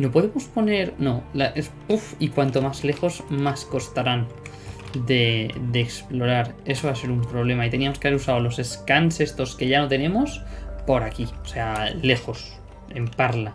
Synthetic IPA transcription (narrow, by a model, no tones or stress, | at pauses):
nopo̞ð̞emospo̞ne̞ɾno̞laʔepufikwant̪o̞mazle̞xo̞zmasko̞st̪aɾan | d̪e̞d̪eːksplo̞ɾaɾe̞soβase̞ɾumpɾo̞β̞le̞mait̪e̞niamo̞skeaβeɾusaolo̞se̞skanse̞st̪o̞ske̞ʝanot̪e̞nẽ̞mospo̞ɾakiose̞ale̞xo̞s | e̞mpaɾla